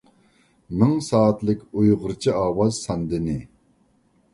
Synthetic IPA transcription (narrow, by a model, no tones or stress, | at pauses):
mɪŋsɑːt̪lɪkʲujʁʊɾt͡ʃʰiɑːwɑzsɑnd̪ɪnɪ